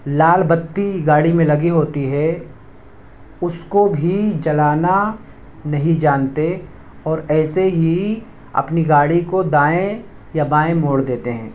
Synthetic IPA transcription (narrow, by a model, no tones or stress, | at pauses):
laːlbɐt̪ːiɡaːɽimẽlɐɡiɦoːt̪iɦɛ | ʊskobʱid͡ʒɐlaːna | nɐɦĩd͡ʒaːnt̪e | ɔːɾɛːseɦi | ɐ̰pniɡaːɽikod̪aːẽ | jabaːẽmoːɽd̪eːt̪eɦɛ̃ː